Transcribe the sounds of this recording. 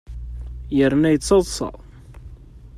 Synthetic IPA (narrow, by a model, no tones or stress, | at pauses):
jəɾnæjət͡sːɑðˤsˤɑ̰ʁ